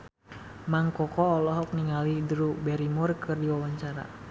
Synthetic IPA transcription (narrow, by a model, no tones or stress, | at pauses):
maŋkɔkɔːlɔɦɔk̚niŋalidɾubɛɾimuʊrkɨrdiwawaɲt͡ʃaɾa̰